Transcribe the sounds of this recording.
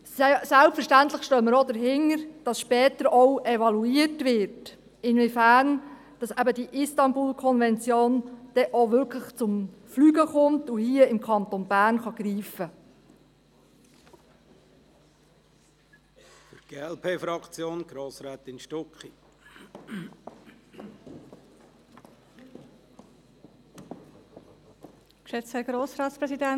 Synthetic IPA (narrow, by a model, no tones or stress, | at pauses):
sælpfəɾʃtænt̪ləχʃtœːmːəɾodəɾɦɪŋəɾd̥ɑsʃpɛːtəɾɔwʔɛvɑluiətʋɪɾt | ɪnvifæːɾn | d̥ɑsæbədiʔɪstɑnbulkʰɔnvɛnt͡sjoːnd̥ɛʔoʋʏɾkʰləχt͡sʊmflyːɡəχʊmtʊhiəɪmkʰɑnt̪onbæːɾnχɑɡriːfə | fyɾɡ̥eːɛlpʰeːfɾɑkt͡sjoːnɡ̥ɾoːsɾaːt̪ɪnʃtɔkχi | kʃɛt͡sɛɡ̥ɾoːsɾɑːtspɾɛsidæn